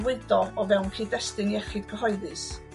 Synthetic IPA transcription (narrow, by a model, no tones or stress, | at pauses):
wɪdɔɔvɛwnkʰiːdɛstɨniɛχɪd̚ɡəɦɔɨðɨs